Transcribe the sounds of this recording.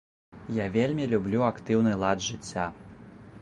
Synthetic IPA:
javʲelʲmʲilʲublʲuakt̪ɨwnɨlˠad̪ʐɨt͡sʲːa

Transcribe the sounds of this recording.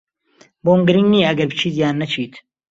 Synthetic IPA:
boːmɡɨɾiŋɡniːɐɡɐɾbɨt͡ʃʰiːzjaːnːɐt͡ʃʰiːt̪ʰ

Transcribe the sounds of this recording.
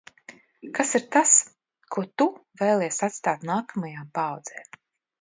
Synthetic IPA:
kasiɾt̪as | kʰuɔt̪uveːlˠɛɛsat̪st̪aːt̪naːkamajaːmpaːwd̪z̥ɛː

